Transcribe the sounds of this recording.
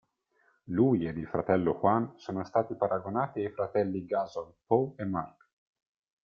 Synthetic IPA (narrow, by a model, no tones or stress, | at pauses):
luːjed̪ilfɾat̪ɛlːoxwansoːnost̪aːt̪ipaɾʔaɡonaːt̪iajfɾat̪ɛlːiɡazolpoemːark